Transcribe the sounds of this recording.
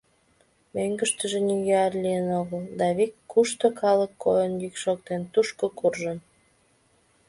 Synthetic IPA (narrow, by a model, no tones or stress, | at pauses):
møŋɡəʃt̪əʒeniɣøɑrlijənoɣəld̪ɑβikːuʃt̪okɑləkːo̰jənjikʃok̚t̪ent̪uʃkokurʒən